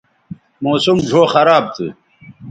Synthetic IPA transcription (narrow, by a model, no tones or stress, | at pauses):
moːsumd͡ʑʱoːxɐɾaːb̚t̪ʰɨ̰